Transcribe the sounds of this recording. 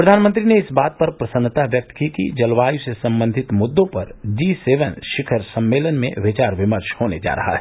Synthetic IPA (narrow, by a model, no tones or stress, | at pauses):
pɾɐd̪ʱaːnmə̃nt̪ɾineɪsbaːt̪̚pɐɾpɾɐsənːt̪aʋjɐk̚t̪kikḭd͡ʒɐlʋaːjusesɐ̃mbə̃nd̪ʱɪt̪mʊd̪ːõpɐɾd͡ʒiːseːʋənʃɪkʰəɾsɐ̃mːeːlənmḛ̃ʋɪt͡ʃaːɾʋɪməɾʃhoːned͡ʒa̰ːɾɐ̰ɦa̰ɦɛ